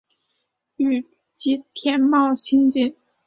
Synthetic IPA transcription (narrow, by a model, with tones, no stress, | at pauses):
y˨˩ | t͡ɕi˧˥t̪ʰjɛ˧˥nmɑ˥˧ʊɕi˥nt͡ɕi˥˩n